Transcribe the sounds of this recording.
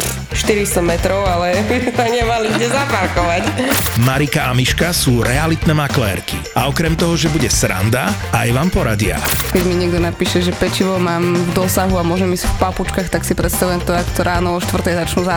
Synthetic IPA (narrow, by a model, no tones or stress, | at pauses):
ʃt̪iɾist̪ɔmɛt̪ɾɔʊalɛbisaɲɛmalitɛzapaɾkɔʋacmaɾikaamiʃkasuːɾɛalit̪nɛːmaklɛ̰ːɾkiʔaɔkɾɛmt̪ɔɦɔʒɛbuɟɛsɾa̰nd̪aajʋaːmpɔɾaɟɪa̰kɛɟmiɲɪɛɡ̚d̪ɔnapiːʃɛʒɛpɛt͡ʃiʋɔmaːmvd̪ɔsaɦuamʊɔʒɛmisfpaput͡ʃkaːxt̪aksipɾɛt̪st̪aʋujɛmt̪ɔakt̪ɔɾaːnɔɔʃt̪ʋr̩t̪ɛjzat͡ʃnuːza